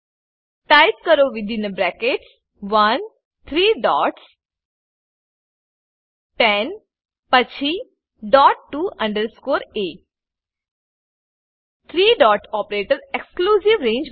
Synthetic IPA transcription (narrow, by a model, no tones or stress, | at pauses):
ʈaɪp̚kəɾoːʋɪd̪ʱɪ̃nəbɾɛkeʈs | ʋɐn | t̪ʰɾiːɖɔːʈs | ʈɛn | pət͡ʃʰi | ɖɔːʈːuːɐ̃ɳɖəɾskoːɾeː | t̪ʰɾiːɖɔːʈɔːpəɾeːʈəɾekskluːsiʋɾẽːɲd͡ʒ